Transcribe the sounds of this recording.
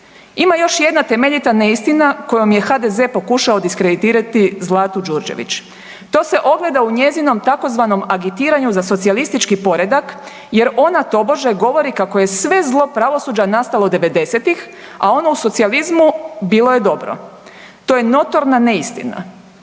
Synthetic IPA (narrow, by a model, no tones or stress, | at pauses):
imajo̞ʃje̞d̪nat̪e̞meʎit̪ane̞ist̪inako̞jo̞mje̞xad̪ezepo̞kuʃaod̪iskɾed̪it̪iːɾat̪izlˠaːt̪ud͡ʒuɾd͡ʒe̞̰ʋḭt͡ɕ | t̪o̞ːse̞ʔo̞ɡle̞d̪auɲe̞zino̞mt̪ako̞zʋano̞maɡit̪iːɾaɲuzaso̞t̪sialist̪it͡ʃkipo̞ɾe̞d̪ak | je̞ɾo̞nat̪o̞boʒaɡo̞ʋo̞ɾikako̞je̞sʋe̞zlˠo̞pɾaʋo̞suːd͡ʑanast̪alˠod̪e̞ʋe̞d̪e̞set̪ixa̰o̞nouso̞t̪sializmubilˠo̞je̞d̪o̞bɾo̰ | t̪o̞ːje̞no̞t̪o̞ɾnaneist̪ḭna̰